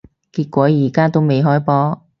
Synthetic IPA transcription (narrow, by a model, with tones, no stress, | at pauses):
kiː˧t̚kʷɔː˨˥jiː˨˩kaː˥t̪o˥wme˨jɦɔː˥jpɔː˨˥